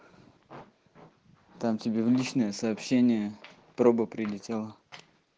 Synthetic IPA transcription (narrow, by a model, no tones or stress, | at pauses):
t̪amtʲɪbʲevlʲit͡ɕnəjəsɐːpɕːenʲɪjə | pɾobəpɾʲɪlʲɪtʲelˠə